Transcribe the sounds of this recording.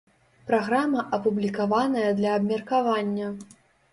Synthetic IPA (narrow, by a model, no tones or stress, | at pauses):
pɾaɣɾamɐʔɐpublʲikavanɐjɐd̪lʲɐːbmʲɐrkavanʲːɐ